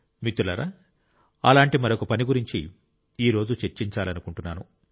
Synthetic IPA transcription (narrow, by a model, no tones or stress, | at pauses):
mit̪ːulɐ̰ɾa̰ | ɐ̰laːɳʈimɐɾokɐpɐniɡuɾiɲt͡ʃḭ | iːɾo̞ːd͡ʒut͡ʃeɾt͡ʃiɲt͡ʃaːlɐnukuɳʈunːaːnu